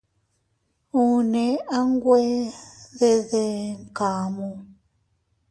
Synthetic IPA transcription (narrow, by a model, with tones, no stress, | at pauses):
u˨ne˨a˦ŋ˦ɡwɛ˦ðe˦ðe˦ŋ˨kaː˨mu˨